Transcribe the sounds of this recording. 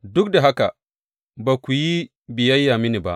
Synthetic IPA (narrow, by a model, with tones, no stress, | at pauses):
dʊ˦k̚da˨ɦa˦ka̰˨ | ba˨kʷu˨ji˦ | bɪ˨jɐ˦jːaː˨mɪ˦ni˨ba̰˦ʔ